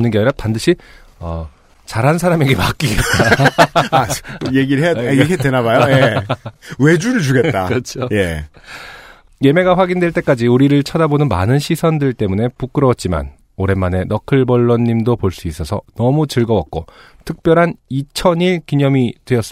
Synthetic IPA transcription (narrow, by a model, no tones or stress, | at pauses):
nɯnɡjʌɾapandɯɕʰi | ʌ | t͡ɕaɾɦansʰaɾame̞ɡe̞mak͈iɡet̚t͈a | jeɡiɾɭɦejadkʰedenabajoje | we̞d͡ʑuɾɯɭt͡ɕuɡe̞tt͈at͡ɕʰoje | je̞me̞ɡaɸwaɡindweɭt͈e̞k͈ad͡ʑiuɾiɾɯɭt͡ɕʰʌdabonɯnma̰nɯnɕʰisʰʌndɯɭt͈e̞mune̞puk͈ɯɾʌwʌt̚t͡ɕ͈ima̰n | oɾe̞mːane̞nʌkʰɯɭbʌɭːʌnːimdopoɭs͈uis͈ʌsʰʌ̰nʌmut͡ɕɯɭɡʌwʌk̚k͈o | tʰɯk̚p͈jʌɾɦanit͡ɕʰʌniɭkiɲʌmitwejʌs͈ɯ